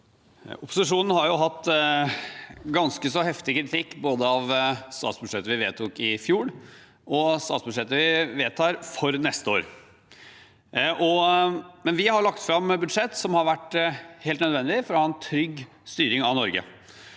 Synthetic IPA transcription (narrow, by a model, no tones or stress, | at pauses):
ʊpːʊsɪʂuːnn̩hɑɾjʊɦɑt̪ː | ɡɑnskəsɔɦɛft̪ɪkɾɪt̪ʰɪkːboːd̪əɑʋst̪ɑ̰ːt̪sbʉʂɛt̪ːəʋɪʋeːt̪ʰuːkɪfjuːɽ | ɔst̪ɑːt̪sbʉd̪ʂɛt̪ːəʋɪʋeːt̪ʰɑːɾfɔɾnɛst̪əo̰ːɾ | ʔɔmɛnʋɪhɑɾɭɑkt̪fɾɑmbʉd̪ʂɛt̪ːsɔmhɑɾʋæʈːheːlt̪nœd̪ʋɛnd̪ɪfɔɾɔhɑɛnt̪ʰɾʏɡ | st̪yːɾɪŋɑnɔɾɡə̰